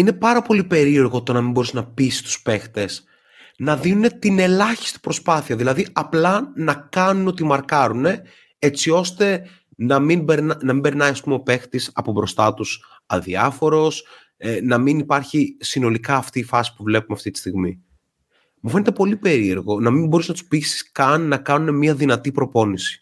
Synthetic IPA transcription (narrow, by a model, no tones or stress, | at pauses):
ine̞pɐɾɐpo̞lipe̞ɾie̞ɾɣo̞t̪o̞nɐmimbo̞ɾisnɐpisi̥st̪u̥spe̞xt̪e̞s | nɐðinune̞t̪ine̞lɐçi̥st̪i̥pɾo̞spɐθiɐðilɐðiʔɐplɐnɐkɐnuno̞t̪imɐɾkɐɾune̞ | e̞t͡sio̞st̪e̞ | nɐminbeɾnnɐmĩbe̞ɾnɐiɐspumo̞pe̞xt̪isɐ̰pobɾo̞st̪ɐt̪us | ɐnðiɐfo̞ɾo̞s | nɐminipɐɾçisino̞likɐːft̪iːfɐsi̥puvle̞pumeɐft̪it̪i̥st̪iɣmi | mufe̞ne̞t̪e̞po̞lipe̞ɾie̞ɾɣo̞nɐmimbo̞ɾusenɐt̪u̥spisi̥skɐnːɐkɐnune̞miɐðinɐt̪ipɾo̞po̞nisi̥